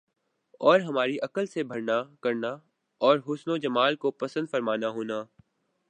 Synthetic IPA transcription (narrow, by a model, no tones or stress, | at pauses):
ɔːɾɦɐmaːɾiʔɐkəlsebʱɐɾnakɐɾna | ɔːɾɦʊsnod͡ʒɐmaːlkopɐsə̃nd̪fɐɾmaːnaɦoːnaː